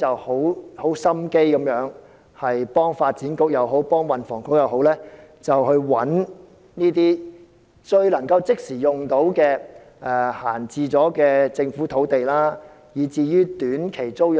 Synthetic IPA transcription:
t͡sɐ˨who˨˥who˨˥wsɐ˥mke˥jkɐ˨˥mjœː˨˥ŋ | hɐ˨jpɔː˥ŋfaː˧t̚t͡siː˨˥nkʊ˥k̚jɐ˨˧wɦo˨˥wpɔː˥ŋwɐ˨˩nfɔ̰ː˨˩ŋkʊ˥k̚jɐ˨˧wɦo˨˥wlɛː˥t͡sɐ˨whɵ˧ɥwɐ˨˥n | niː˥t̪̬iː˥ | t͡ʃɵ˧ɥlɐ˨˩ŋkɐ˧wt͡sɪ˥k̚siː˨˩jʊ˨˩ŋt̪o˨˥wkɛː˧ | ʔɛ˨haː˨˩nt͡siː˧t͡sɔː˨˥kɛː˧t͡sɪ˧ŋfuː˨˥t̪ʰo˨˥wt̪e˨jlaː˥ | jiː˨˥t͡siː˨jyː˥t̪yː˨˥nkʰe˨˩jt͡so˥w

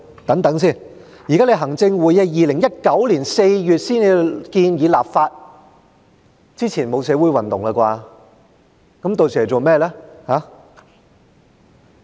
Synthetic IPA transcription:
t̪ɐ˨˥ŋt̪ɐ˨˥ŋsiː˥˩n | jiː˨˩kaː˥le˨˧jɦɐ˨˩ŋt͡sɪ˧ŋwuː˨jɛ˧jiː˨lɪ˨˩ŋjɐ˥t̚kɐ˨˥wliː˨˩nse˧jjyː˨t̚siː˥ne˨˧kiː˧njiː˨˧laː˨p̚faː˧t̚ | t͡siː˥t͡sʰiː˨˩nmo˨˧wsɛː˨˧˥wu˨˥jwɐ˨˩nt̪ʊ˨ŋa˧kwaː˧ | kɐ˨˥mt̪o˨wsʰɛː˨˩˨t͡so˨˩wmɛː˥˧lɛː˥haː˨˥

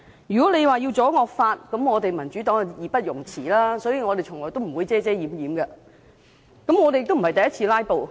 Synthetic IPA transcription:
jyː˨kɔː˨˥le˨˧jwaː˨ji˧wt͡sɔː˨˥ŋɔː˧k̚faː˧t̚kɐ˨˥mŋɔː˨˧t̪e˨jmɐ˨˩nt͡ʃy˨˦˥t̪ɔː˨˥ŋ˨jiː˨˥pɐ˥t̚jʊ˨˩ŋt͡sʰiː˨˩laː˥sɔː˨˥jiː˨ŋɔː˨˧t̪e˨jt͡ʃʰʊ˨˩ŋlɔː˨˩jt̪o˥wm̩˨˩wuː˨˧jt͡sɛː˥t͡sɛː˥jiː˨˥mjiː˨˥mɡɐ˧ | kɐ˨˥mŋɔː˨˧t̪e˨jɪ˧kt̪o˥m˨˩˨ɐ˨˩t̪ɐ˨jɐ˥t̚t͡sʰiː˧laː˥jpo˨w

